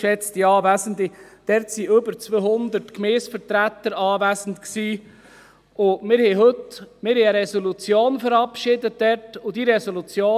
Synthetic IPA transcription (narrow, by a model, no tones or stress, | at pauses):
ʃɛt͡stiɑːvæsən̩tɪd̥ɛɾtsiɵbəɾt͡sʋøhʊnd̪ətkmɛːsfəɾtɾæt̪ːəɾɑːvæsən̩t̪ksiː | ʊmɪːɾhɛɪɦɵtmɪːɾhɛɪəɾɛsolut͡sjoːnfəɾɑpʃɪdət̚d̥ɛɾtʊd̥iɾɛsolut͡sjoː